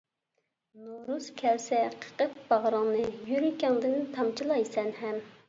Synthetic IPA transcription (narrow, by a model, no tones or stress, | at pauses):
noɾuskʲʰɛɾsɛqʰə̥qəp̚bɑʁɾɑŋnɨjyɾikʲʰɛŋd̪ɨnt̪ʰɑmt͡ʃʰilˠɑjsɛnɦɛm